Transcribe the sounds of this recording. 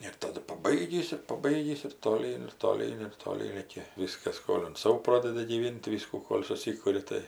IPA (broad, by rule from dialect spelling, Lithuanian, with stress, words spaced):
ɪr tɐˈdʊ pɐˈbɐɪɡʲiːs ɪr pɐˈbɐɪɡʲiːs ɪr toːˈlʲiːn ɪr toːˈlʲiːn ɪr toːˈlʲiːn ˈrɐɪkʲɛ ˈʋʲɪskɐs ˈskoːlʲɪnt ˈsɐʊ ˈproːdʲɛdʲɪ ɡʲiːˈʋʲɪnt tɐɪ ˈʋʲɪskuː ˈkoːlʲ sʊˈsʲɪkʊrʲɪ ˈtɐɪ